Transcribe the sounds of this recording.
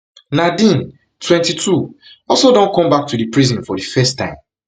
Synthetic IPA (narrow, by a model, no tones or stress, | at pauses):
nadĩn | tʰwɛ̃ntitʰu | ɔlsodõnkɔ̃mbak̚tudipɹizɔ̃nfɔdifɛstːã̰ɪ̃m